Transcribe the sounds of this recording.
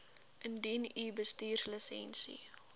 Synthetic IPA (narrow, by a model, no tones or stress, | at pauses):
ʔəndinibəstiːrsləsɛ̰nsḭ